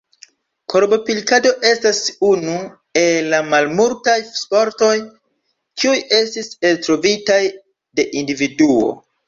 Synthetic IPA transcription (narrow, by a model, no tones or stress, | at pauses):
kʰo̞ɾbo̞pilkado̞ʔe̞stasunu | e̞lamalmultajspo̞ɾto̞j | kʰiuje̞stise̞ltɾo̞vitaj | de̞ʔindividuo̞̰